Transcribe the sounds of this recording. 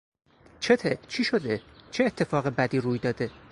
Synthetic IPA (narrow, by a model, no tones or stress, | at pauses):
t͡ʃʰe̞t̪ʰet͡ʃʰiːʃo̞d̪et͡ʃʰeːt̪ʰːe̞fɒːɣebæd̪iːɾuːjd̪ɒːd̪e̞